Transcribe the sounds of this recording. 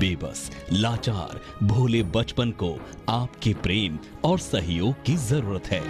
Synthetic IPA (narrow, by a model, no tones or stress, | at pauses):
beːbə̰slaːt͡ʃa̰ːɾ | bʱoːlebɐt͡ʃpənko | aːpkepɾeːmɔːɾsɐɦjoːɡ̚kizɐɾuːɾət̪ɦɛː